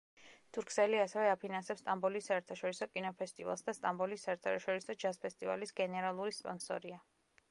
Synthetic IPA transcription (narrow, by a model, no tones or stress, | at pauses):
t̪ʰʼuɾkʰsɛliasɛvɛapʰinansɛpst̪ʼambɔlisːaɛɾt̪ʰaʃɔɾisɔkʼinɔpʰɛst̪ʼiva̰lˠsd̪ast̪ʼambɔlisːaɛɾt̪ʰaʃʃɔɾisɔd͡ʒaspʰɛst̪ʼiva̰lisɡ̥ɛnɛɾalˠuɾispʼɔ̰nsɔ̰ɾia